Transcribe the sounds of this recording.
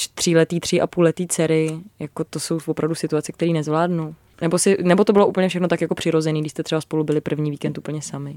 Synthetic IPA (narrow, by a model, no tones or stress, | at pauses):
t̪r̝̥ɪlɛt̪iːt̪r̝̥ɪʔa̰puːlɛt̪iːt͡sɛɾɪjakot̪oso̞wvopɾavdusɪt̪uat͡sɛk̚t̪ɛɾiːnɛzvlaːdnuw | nɛbosɪnɛbot̪o̞bɪloʔuːpl̩ɲɛfʃɛxnot̪akjako̞pr̥ɪɾo̞zɛniːɡdɪʃst̪ɛt̪r̥ɛbaspo̞lubɪlɪpr̩vɲiːviːkɛnt̪ʔupl̩ɲɛsamɪ